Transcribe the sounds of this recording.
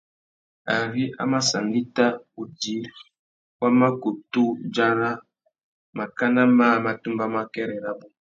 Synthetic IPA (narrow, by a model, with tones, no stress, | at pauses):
a˨ɾi˦ʔa̰˦ma˦sa˨ndi˦ta˦u˨d͡ʒi˦ | wa˦ma˦ku˨tu˦d͡ʒa˦ɾa˦ | ma˨ka˦na˦maː˦ma˨tu˦mba˦ma˦kɛ˦ɾɛ˨ɾa˦bu˦